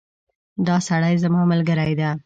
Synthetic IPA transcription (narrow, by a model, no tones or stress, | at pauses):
d̪ɑsaɽajzamɑməlɡəɾajd̪a